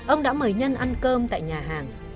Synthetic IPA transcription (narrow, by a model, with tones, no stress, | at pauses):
ʔə˧wŋ͡mɗa̰ː˧˥məː˨˩jɲə˧nʔa˧nkəː˧mt̪a̰ː˧˨jɲaː˨˩ɦaː˨˩ŋ